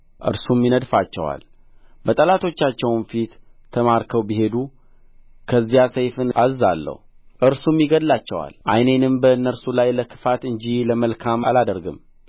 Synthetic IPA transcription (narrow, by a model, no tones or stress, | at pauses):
ʔɨ̰ɾsumːinəd̪fat͡ʃːɛ̰wa̰l | bət̪ʼəlat̪ʰo̞t͡ʃːat͡ʃːɛwnfit̪ʰː | əmaɾkʰəwbiɦe̞d̪u | kʰəzːijasəjfɨnazalːə̰huʔɨɾsumːiɡəd̪lat͡ʃːɛwa̰lʔajne̞nɨmbəɨnːəɾsulajləkʰɨ̥fat̪ɨɲd͡ʒiləməlkʰama̰lad̪əɾɡɨm